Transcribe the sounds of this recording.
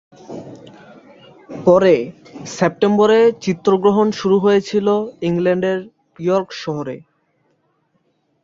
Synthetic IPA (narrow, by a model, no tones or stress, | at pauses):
pɔɾe | sep̚ʈemboɾet͡ɕit̪ːɾoɡɾoɦonʃuɾuɦojet͡ɕʰiloiŋlɛɳɖeɾ | piɔɾkʃɔɦoɾḛ